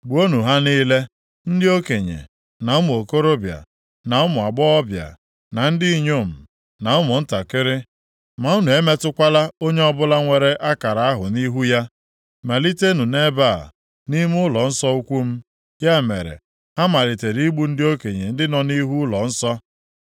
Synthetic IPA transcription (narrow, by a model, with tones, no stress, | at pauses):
ɡ͡bu˨o˦nu˨ɦa˦ni˦le˦ | n̩˦dɪ˦o˦ke˨ɲḛ˨ | na˨ʊ˦mʊ˨o˨ko˦ɾo˦bja̰˨ | na˨ʊ˦mʊ˨a˨ɡ͡bɔ˦ɔ˦bja̰˨ | na˨n̩˦di˦i˦ɲo˦˨m̩˨ | na˨ʊ˦mʊ˨n̩˦ta˨kɪ˦ɾɪ˦ | ma˨u˦nu˨e˦me˦tʊ˦kʷa˦la˦o˦ɲe˦ɔ˦bʊ˦la˦ŋʷe˨ɾe˦ʔa˦ka˨ɾa˨a˦ɦʊ˨ni˦ɦu˦ja˦ | me˨li˦te˦nu˨ne˦ba˦˨ | ni˦m˦ʊ˦lɔ˨n̩˦sɔ˦u˦kʷu˦m̩˦ | ja˦˨mḛ˨ɾḛ˨ | ha˦ma˨ɾɪ˨te˨ɾi˦ɡ͡bu˦n̩˦dɪ˦o˦ke˨ɲe˨n̩˦dɪ˦nɔ˨ni˦ɦu˦lɔ˨n̩˦sɔ˦